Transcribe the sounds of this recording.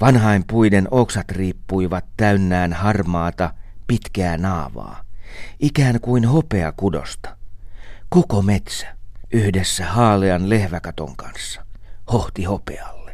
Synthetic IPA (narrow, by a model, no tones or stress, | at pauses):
ʋɑnɦɑempuidenoksɑt̪riːpːuiʋɑt̪ːæynːæːnhɑrmɑːt̪ɑpit̪kæːnɑːʋɑ̰ːʔikæːŋkuinhopeɑ̰kudo̰st̪ɑ̥ | kokomet̪sæ̥ʔyhdesːæhɑːleɑnlehʋækɑt̪o̰ŋkɑnsːɑ̥hoht̪ihopḛɑlːe